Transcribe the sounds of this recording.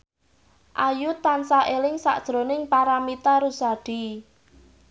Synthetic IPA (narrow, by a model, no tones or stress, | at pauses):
ʔajut̪ːansaʔelɪŋsa̰ʔd̥ʒ̥ɾo̤nɪŋpaɾamit̪aɾusaɖ̪̥i̤